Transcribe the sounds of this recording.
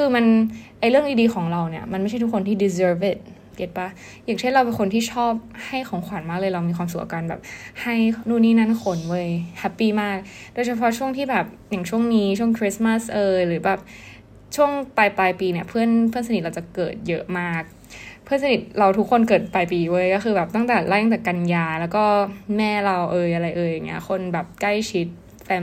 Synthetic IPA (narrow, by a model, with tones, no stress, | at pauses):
kʰɯː˧ma˧nʔa˧jɾɯ˥˩əŋdiː˧diː˧xʰɔː˩˦ŋɾa˧wni˥˩ɐma˧nm˥˩t͡ɕʰt̪ʰu˥kʰːo˧nt̪ʰiː˥˩di˧s̬ɤː˧˥fe˧˩t̪̚ | ke˨˩t̪̚pa˦˥ | jaː˨˩ŋt͡ɕʰe˥˩nɾa˧wpe˧nkʰo˧nt̪ʰiː˥˩t͡ɕʰɔː˥˩p̚ha˥˩jxʰɔː˨˩˦ŋkʰwa˩˦nmaː˥˩klɤː˧jɾa˧wmiː˧xʰwaː˧msu˨˩k̚ʔaː˧kaː˧nbɛ̰ː˨˩p̚ha˥˩jnuː˥˩nːiː˥˩na˥˩˨nkʰo˨˩˦nwɤː˧jhɛ˦˥pːiː˧˩maː˥˩k̚doː˧jt͡ɕʰa˧pʰɔ˦˥t͡ɕʰu˥˩əŋt̪ʰiː˥˩bɛː˨˩p̚ | ja˨˩ŋt͡ɕʰu˥˩əŋniː˦˥t͡ɕʰu˥˩əŋkʰɾi˦˥sma˥˩sʔɤː˧jɾɯː˩˦bɛː˨˩p̚ | t͡ɕʰu˥˩əŋpaː˧jplaː˧jpiː˧ni˧˥˩ɐpʰɯ˥˩ənpʰɯ˥˩ənsa˧n̚˨˩ɾa˧wt͡ɕa˨˩kɤː˨˩t̪̚jɤ˦˥maː˥˩k̚ | pʰɯ˥˩ənsa˧ni˨˩t̪̚ɾa˧wt̪ʰu˦˥kʰːo˧nkɤː˨˩t̪̚paː˧jpiː˧woː˥˦˩jkɔː˥˩xɯː˧bɛː˨˩p̚t̪a˥˩ŋt̪ɛː˨˩la˦˥˩ja˧˥˩ŋt͡ɕ̪ɛː˨˩ka˧njaː˧lɛː˦˥wkɔː˥˩mɛː˥˩ɾa˧wʔɤː˧jʔa˧ɾa˧jʔɤː˧ja˨˩ŋːi˦˥ɐxʰo˧nbɛː˨˩p̚kla˥˩jt͡ɕʰi˦˥t̪̚ | fɛː˧